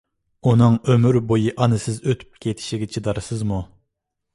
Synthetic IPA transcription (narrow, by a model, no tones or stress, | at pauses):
unɨŋømyɾbojiʔɑnɨsɪzøt̪ʰy̥p̚kʲʰet̪ʰi̥ʃiɡʲɛt͡ʃʰid̪ɑɾɨsɨzmu